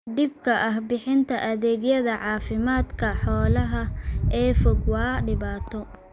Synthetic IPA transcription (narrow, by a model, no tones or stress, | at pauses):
ɖɪb̚kʰɐʔɐɦbɪħɪnt̪ʰɐʔɐðɛːɡjɐðɐʕɑːfɪmaːd̪kʰɐħɔːlɐɦɐʔɛːfɔɡwɑːɖɪβaːt̪ʰɔ